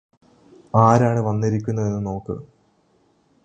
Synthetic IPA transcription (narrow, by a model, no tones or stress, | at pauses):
aːɾaːɳɨʋɐnːiɾikʲːunːɐðe̞nːɨno̞ːkːɨ̰